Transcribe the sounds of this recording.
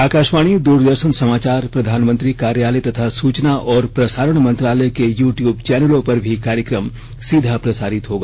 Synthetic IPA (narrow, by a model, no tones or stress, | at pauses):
aːkaːʃmaːɽ̃id̪uːɾd̪əɾʃənsɐmaːt͡ʃaːɾpɾɐd̪ʱaːnmə̃nt̪ɾikaːɾjaːlət̪ɐt̪ʰasuːt͡ʃnaʔɔːɾpɾɐsaːɾəɽ̃mɐ̃nt̪ɾaːləkejuːʈjuːbt͡ʃɛːnəlõpɐɾbʱikaːɾjəkɾəm | sid̪ʱapɾɐsaːɾɪt̪ɦoːɡaː